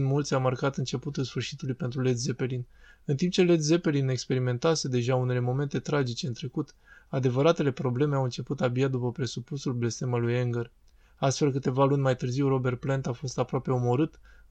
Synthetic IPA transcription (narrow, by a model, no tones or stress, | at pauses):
nmult̪sʲawmarkat̪ɨnt͡ʃe̞put̪ulsfɨrʃit̪ulujpe̞nt̪ɾulesze̞pe̞linɨnt̪imp̚t͡ʃe̞le̞t̪ze̞pe̞line̞kspe̞ɾime̞nt̪ase̞d̪e̞ʒaune̞le̞mo̞me̞nt̪e̞t̪ɾad͡ʒit͡ʃe̞ɨnt̪ɾe̞kut̪ad̪e̞vəɾat̪e̞le̞pɾo̞ble̞me̞awɨnt͡ʃe̞put̪abijad̪upəpɾe̞supusulble̞st̪e̞malujeŋɡər | ast̪fe̞lkɨt̪e̞valunʲmajt̪ɨrziwro̞be̞rt̪̚plent̪afo̞st̪apɾoape̞o̞mo̞ɾɨt̪